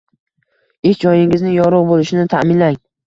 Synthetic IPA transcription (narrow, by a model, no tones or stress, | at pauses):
ekʲd͡ʒɒjɪŋɪznɪŋjɒɾʊʁbolɪʃɪnɪt̪ʰamɪnlaŋ